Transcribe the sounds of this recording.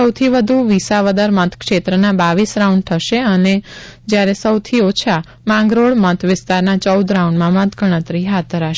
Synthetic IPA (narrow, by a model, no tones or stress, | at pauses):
əwt̪ʰiʋəd̪ʱuʋisaʋəd̪əɾmət̪ʰkʃet̪ɾənabaʋisɾaũɳɖ̚t̪ʰəʃeəned͡ʒjaɾesəwt̪ʰiot͡ʃʰa | mãŋɡɾoɭmət̪ʰʋɪst̪aɾnat͡ʃəud̪ɾauɳɖmãmət̪ʰɡʱəɽ̃ət̪ɾiɦad̪̚d̪ʱəɾaʃ